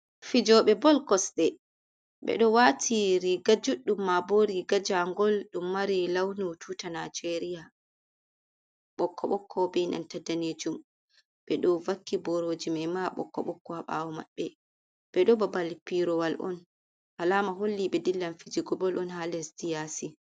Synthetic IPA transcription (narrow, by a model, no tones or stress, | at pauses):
fid͡ʒɔɓɛbɔlkɔsɗɛ | ɓɛ̰ɗɔwatʰiɾiɡad͡ʒuɗːumːaboɾiɡad͡ʒaŋɡɔlɗumːaɾilawnutʰutanad͡ʒeɾija | ɓɔkːɔɓɔkʰːɔbɛna̰ntadaned͡ʒum | ɓɛɗɔvakːibɔɾod͡ʒimɛmaɓɔ̰kːɔ̰ɓɔkːɔhaɓa̰wɔma̰ɓːɛ | bɛɗɔbabalpiɾɔwalʔɔ̰n | halamaɦolːiɓɛdilːanfid͡ʒiɡɔbɔlʔɔnhalɛsdijasi